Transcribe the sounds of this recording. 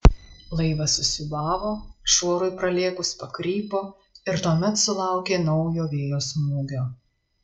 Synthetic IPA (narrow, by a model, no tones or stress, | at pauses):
lˠɐɪʋɐsʊsʲʊbɑːʋoːʃoːɾʊɪpɾɐlʲeːkʊspɐkɾʲiːpoː | ɪɾt̪oːmʲɛt̪sʊlˠɑˑʊkʲeːnɒʊjoːʋʲeːjoːsmuːɡʲoː